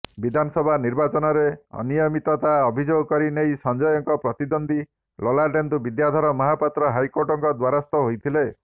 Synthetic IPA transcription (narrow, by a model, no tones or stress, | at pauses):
bid̪ʱanɔsɔbʱaniɾbat͡ʃɔnɔɾeɔ̰nijɔmit̪ɔt̪aɔbʱid͡ʒoɡɔkɔɾinejsɔnd͡ʒɔjɔŋkɔpɾɔt̪id̪ond̪i | lolaɾɖend̪ubid̪jad̪ʱɔɾɔmɔɦapat̪ɾɔɦajkoɾʈɔŋkɔd̪waɾast̪ɔɦojt̪ʰile